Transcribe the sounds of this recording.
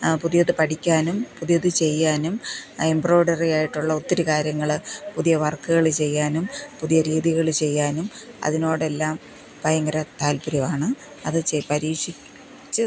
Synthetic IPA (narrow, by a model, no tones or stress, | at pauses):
puðijɐðɨpɐʈʰikʲːaːnumpuðijɐðɨt͡ɕe̞jːaːnumembro̞ːɖɐrijaːjiʈːuɭːɐot̪ːɐɾukaːɾjɐŋːɐɭpuðijɐʋɐrkːɨɣɐɭɨt͡ɕe̞jːaːnumpuðijɐɾiːðiɣɐɭt͡ɕe̞jːaːnum | ɐ̰ðino̞ːɽe̞lːaːm | pɐjɐŋɡɐɾɐt̪aːlpiɾɐʋaːɳɨ | ɐðɨt͡ɕepɐɾiːʂi | t͡ɕːɨ